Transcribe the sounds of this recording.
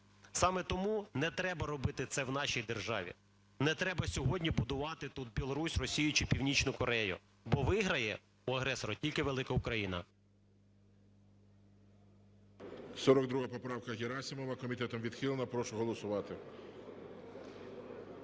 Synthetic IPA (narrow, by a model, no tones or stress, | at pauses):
sɑmɛt̪ɔmunɛt̪ɾɛbɐɾɔbɪt̪ɪt̪sɛwnɑʃijd̪erʒɑ̰ʋʲḭ | nɛt̪ɾɛbɐsʲɔɦɔdʲnʲibʊd̪ʊʋɑt̪ɪt̪ut̪̚bʲilˠɔɾusʲrɔsʲijʊt͡ʃɪpʲiwnʲit͡ʃnʊkɔɾɛjʊ̰ | bɔʋɪɦɾɐjɛ | uɐɦɾɛsɔɾɐtʲilʲkɪʋelˠɪkɐʊkɾɐjinɐ̰ | sɔɾɔkd̪ɾuɦɐpɔpɾɑwkɐɦʲɪɾɑsʲɪmɔʋɐkɔmʲit̪ɛt̪ɔmʋʲid̪xilˠenɐpɾɔʃʊɦɔlˠɔsʊʋɑt̪ɪ